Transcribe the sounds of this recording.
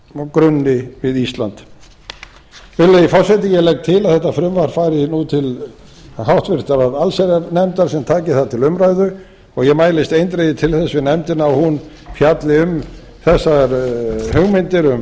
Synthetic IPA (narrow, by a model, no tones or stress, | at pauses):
kɾʏnːɪvɪðist̪lant̪ | vɪlːaifɔɾ̥sɛt̪̬ɪjɛlɛk̚t̪ʰɪlaðθɛht̪ːafɾʏmvaɾ̥faːjɾɪnut̪ʰɪl | ɦawht̪vɪɾ̥t̪aɾaðalsɛɾaɾnɛmt̪aɾ̥sɛmt̪ʰaːcɪθaðt̪ʰɪlʏmɾajðʏ | ɔɣjɛmaːjlɪst̪ejnt̪ɾejðɪt̪ʰɪlθɛsːvɪnɛmt̪ɪnaːwhun | fʰjat̪lɪʏm | θɛsːaɾhʏɣmɪnt̪ɪɾʏm